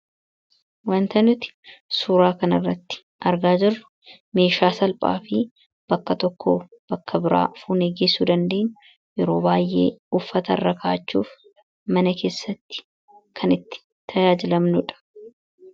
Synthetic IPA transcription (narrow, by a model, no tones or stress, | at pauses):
wɐnt̪ɐnʊt̪ɪ̥suːɾaːkɐnɐrːɐt̪ːɪ̥ | ʔɐɾɡaːd͡ʒɪrʊ̥ | me̞ːʃaːsɐlpʼa̰ːfɪ | b̥ɐkːɐt̪ɔkːoː | b̥ɐkːɐbɪɾa̰ːfuːneːɡeːsuːd̪ɐnd̪e̞ːɲːʊ̥ | jɛɾo̞ːbaːjʔːe̞̰ːʊfːɐt̪ɐ̰rːɐkʰaːt͡ʃːuːf | mɐnɐke̞ːsːɐt̪ːɪ̥ | kʰɐnɪt̪ːɪ̥ | t̪ʰɐjaːd͡ʒɪlɐmnʊᶑɐ̥